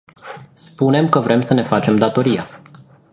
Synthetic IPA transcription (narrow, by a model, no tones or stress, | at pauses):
spune̞mkəvɾe̞msəne̞fat͡ʃe̞md̪at̪o̞ɾija̰